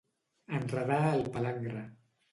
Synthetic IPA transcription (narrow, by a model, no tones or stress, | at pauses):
ənrəðaəlˠpəlaŋɡɾa